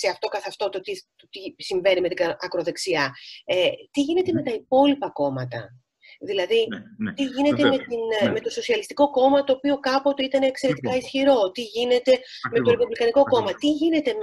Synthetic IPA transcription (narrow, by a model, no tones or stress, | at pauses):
se̞ɐft̪o̞kɐθeɐft̪o̞t̪ot̪it̪ot̪isiɱve̞nime̞t̪iɐɐkɾoðe̞ksiɐet̪iʝine̞t̪e̞me̞t̪ɐipo̞lipɐko̞mɐt̪ɐ̰ | ðilɐðit̪iʝine̞t̪e̞me̞t̪inme̞t̪o̞so̞siɐlist̪i̥ko̞ko̞mɐt̪o̞ːpio̞kɐpo̞t̪eit̪ɐneːkse̞ɾe̞t̪i̥kɐisçiɾo̞t̪iʝine̞t̪e̞met̪o̞ɾe̞puvlikɐniko̞ko̞mɐt̪iʝine̞t̪e̞